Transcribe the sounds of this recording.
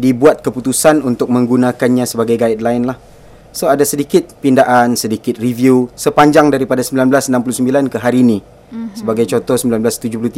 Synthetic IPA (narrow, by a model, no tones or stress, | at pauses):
dibuat̪̚kəput̪usanunt̪ʊk̚mə̃ŋɡunãkanɲãsəbaɡajɡait̪̚laɪnlah | soadasədikɪt̪̚pindaʔansədikɪt̪̚rivjusəpaɲd͡ʒaŋdaɾipadasəmbilanblasnãmp̬ulusəmbilankəɦaɾiːnĩ | səbaɡajt͡ʃɔt̪ɔsəmbilanblast̪ud͡ʒʊhp̬luht̪i